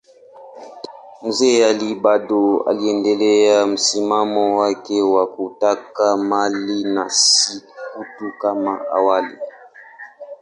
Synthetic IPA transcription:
m̩zɛaliɓaɗɔa̰liɛndɛlɛam̩simamɔwakɛwakutakamalinasikutukamaa̰walḭ

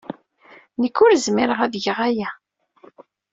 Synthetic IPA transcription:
nəkːʊɾzmiɾəʁæðʝəʁæjæ

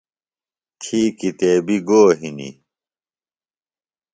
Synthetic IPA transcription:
t̪ʰiːkit̪eːbiɡoːɦinḭ

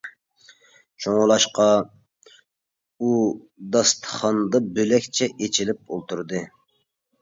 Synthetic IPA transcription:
t͡ʃʰoŋʊlˠɑʃqɑ | u | d̪ɑst̪ʰə̥χɑnd̪ɑbølɛkʲt͡ʃʰɛʔet͡ʃʰilɪp̚o̰lˠt̪ʰuɾd̪ɨ

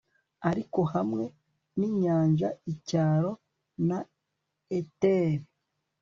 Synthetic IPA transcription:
aɾiko̞hamŋe̞ | niɲaːnʒa̰icaːɾo̞ | na | eteɾi

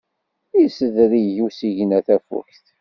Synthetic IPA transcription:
isəðɾijusiʝnæθæfṵçθ

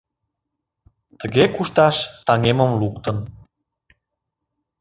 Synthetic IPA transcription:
t̪əɣekuʃt̪ɑʃt̪ɑŋeməmlukt̪ən

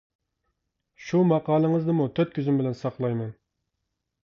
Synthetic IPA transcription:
ʃumɑqɑːlˠəŋəzd̪ɨmut̪ʰøt̪̚kʲʰyzymbɪlɛnsɑqlˠɑjmɛn

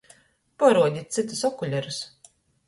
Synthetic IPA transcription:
pɔɾuɔd̪ʲit̪̚ʲt̪sit̪u̥sɔkuʎʲɛɾus

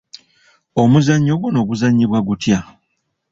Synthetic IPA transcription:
o̞muzaɲːoɡuno̞ːɡuzaɲːiβwaɡutja

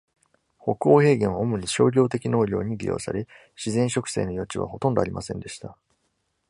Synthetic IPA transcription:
ho̞kɯoːhe̞ːɡẽ̞ɰ̃oomɯ̟ɲ̟iɕo̞̰ːɾʲo̞ːt̪e̞kʲino̞ːɾʲo̞̰ːɲ̟iɾʲḭjo̞̰ːsa̰ɾe̞ | ɕizẽ̞ɰ̃ɕo̞kɯ̟̥se̞̰ːno̞jo̞t͡ɕiβa̰ho̞t̪õnd̪oaɾʲimʔasẽ̞nd̪e̞ɕi̥t̪a

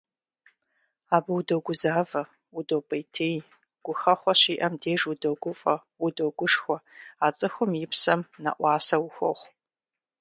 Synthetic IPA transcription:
aːbɨwudoɡʷʊzaːvɐ | udowpʼɐjtʰeːj | ɡ̥ʷʊxɐχʷɔɕiːʔɐmdeːʐwudoɡʷʊfʼɐ | wʊdoɡʷʊʂxʷɔaːt͡sʼɨxʷʊmjɪpsɐmnɐ̰ʔʷɑːsɐwʊxʷɔχʷ

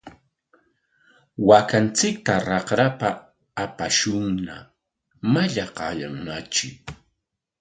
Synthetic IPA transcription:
wakant͡sɪk̚t̪aɾɑχɾapaː | paʃʊŋna̰ | maʎaqɑʎa̰mʊnat͡ʃɪ̰k

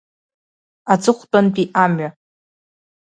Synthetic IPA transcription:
ad͡zɨχʷtʼanpʼiʔamɥa

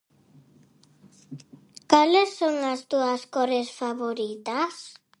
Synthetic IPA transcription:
kalesːoŋast̪uaskɔɾesfaβoɾit̪as

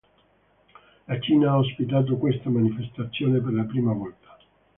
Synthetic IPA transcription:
lat͡ʃiːnaaːos̬pit̪̬aːt̪̬okwest̪amanifest̪at̪sːjoːnep̬erlapɾiːmavɔlt̪ḁ

